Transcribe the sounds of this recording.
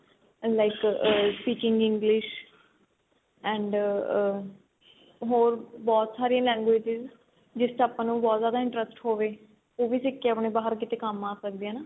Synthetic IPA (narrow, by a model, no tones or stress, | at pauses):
laɪkəʈiːt͡ʃɪŋɡɪ̃ŋɡlɪʃ | ɛ̃ːɳɖ | ɦoːɾbɔːt̪saːɾiːẽlɛ̃ːŋɡʋeːd͡ʒɪz | d͡ʒɪstaːpãːnũːbɔːt̪zaːd̪aːɪ̃ɳʈɾəsʈhoːʋeː | oːʋiːsɪkːeaːpɳeːbaːɦəɾkɪt̪eːkəmaːsək̚d̪eɛ̃ːnaː